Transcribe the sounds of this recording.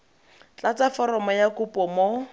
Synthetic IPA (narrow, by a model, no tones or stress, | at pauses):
t͡ɬat͡safɔrɔmɔjakupʼɔmo